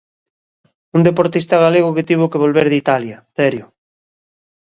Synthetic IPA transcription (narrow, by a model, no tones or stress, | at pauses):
und̪epoɾt̪ist̪aɣaleɣoket̪iβ̞okeβolβeɾðit̪aljaθɛɾjo